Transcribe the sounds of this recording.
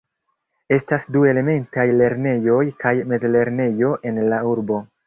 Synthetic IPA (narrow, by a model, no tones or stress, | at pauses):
e̞stasdue̞le̞me̞ntajle̞ɾne̞jo̞jkajme̞zle̞ɾne̞jo̞ʔe̞nlauɾbo̞